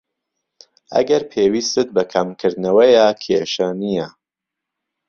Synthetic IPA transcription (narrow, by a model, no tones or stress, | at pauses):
ʔɐ̰ɡɐɾpʰeːwiːst̪ɨt̪̚bɐkʰɐmkʰɨɾd̪nɐwɐjaːkʰeʃaːnija